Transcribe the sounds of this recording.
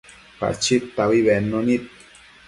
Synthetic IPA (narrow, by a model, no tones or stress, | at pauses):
pa̰t͡ʃit̪ːaβiβenːonit̪̚